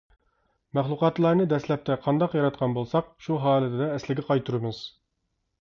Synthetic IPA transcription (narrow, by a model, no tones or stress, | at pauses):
mæχlˠuqɑt̪lˠɑɾnɨd̪ɛslɛp̚t̪ʰɛqʰɑnd̪ɑqjɑɾɑt̪̚qʰɑnbolˠsɑq̚ʃuɦɑːlˠɨt̪ʰɪd̪ɑɛslɪɡʲɛqʰɑjt̪ʰuɾɨmɨz̥